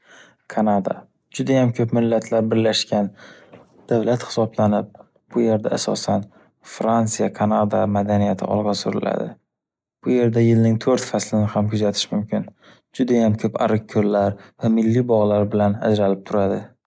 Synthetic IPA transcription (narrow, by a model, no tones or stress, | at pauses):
kʰanad̪a̰ | d͡ʒʊd̪ajamkʲʰɵpmɪlːat̪ʰlaɾbɪɾlaʃkʲan | d̪̥avlat̪hɪ̥sɒblanɪp̚ | b̥ʊje̞ɾd̪aːsɒ̰san | fɾant̪sijakʰanad̪amad̪anijat̪ʰɪ̰ɒ̰lˠʁɑsʊɾɪla̰d̪ɪ̰ | b̥ʊje̞ɾd̪ajɪlnɪŋt̪ʰɵɾt̪faslɪnɪhamkʰʊzat̪ʰɪ̥ʃmʊmkʲɪn | d͡ʒʊd̪ajamkʲʰɵpa̰ɾɪqkʲʰːoɾlaɾvamɪlːibɒʁlaɾbɪlana̰d͡ʒɾalɪp̚t̪ʰʊɾad̪ɪ